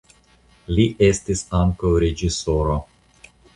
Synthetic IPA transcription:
liʔe̞stisaŋkawɾe̞d͡ʒisoɾo

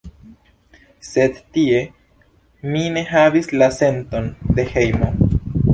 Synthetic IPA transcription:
se̞dtie̞ | mine̞ɦavislase̞nto̞nde̞he̞jmo̞

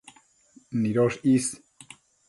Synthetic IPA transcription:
niɾoʂis

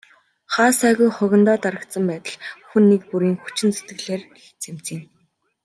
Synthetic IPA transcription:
χaːsæːɣujχʊɣʲɪ̆nt̪ɔːt̪aɾə̆kt̪sə̆mpæːt̪ə̆ɮxunːiːk̚puɾiːŋxut͡ɕɪ̆nt͡set̪ɡɘ̆ɮeːrext͡sʰem̥t͡siːŋ

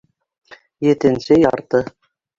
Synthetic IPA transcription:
jet̪ɘ̆nsejɑ̰ɾt̪ɤ

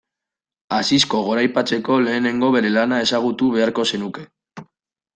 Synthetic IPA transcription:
asisko̞ɣo̞ɾajpat͡se̞ko̞le̞ːne̞ŋɡo̞βe̞ɾe̞lanae̞saɣ̞ut̪uβe̞aɾko̞se̞nuke̞

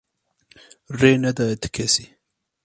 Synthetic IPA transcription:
renad̪at̪ɪ̥kʰesi

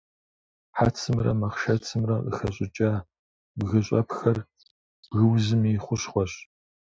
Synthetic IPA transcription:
ħat͡sʰɨmrɐ̰mɐχʃɐt͡sʰɨmrɐʔə̰xɐɕʼɪt͡ʃʼaː | bɣɐɕʼɐpxɐr | b̥ɣɨwzɨmiːχʷʊɕχʷɔɕ

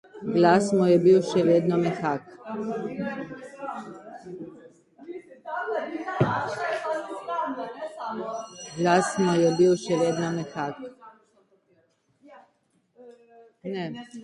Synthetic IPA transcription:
ɡlasmojebiwʃɛʋjed̪nomexak | ɡlasmojebiːwʃɛʋjed̪nomexak | ne

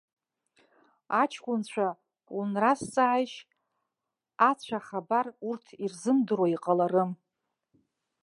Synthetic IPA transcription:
at͡ʃʰkʷʼʊnt͡ɕʷʰa | unrast͡sʼaʕajʃ | at͡ɕʷʰaχabarurtʰirzɨmdɨrwaiqʼalaɾɨm

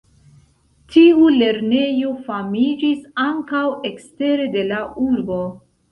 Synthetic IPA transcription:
tʰiule̞ɾne̞jo̞famid͡ʒisaŋkawe̞kste̞ɾe̞de̞laʔuɾbo̞

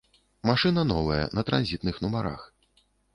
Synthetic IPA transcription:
maʂɨnɐnɔvɐjɐ̰nɐt̪ɾa̰nzʲit̪̚nɨxnumaɾa̰x

